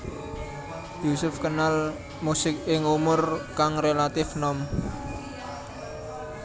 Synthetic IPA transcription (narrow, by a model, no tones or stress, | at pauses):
jusʊfkənal | musɪk̚ɪŋumʊrkaŋrelat̪ɪfnɔm